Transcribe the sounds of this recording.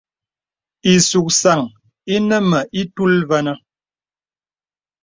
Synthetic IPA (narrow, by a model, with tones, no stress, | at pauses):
i˨su˨k̚sa˨ŋ | i˦nə˦mə˨ʔi˦tu˦lvə˦nə˦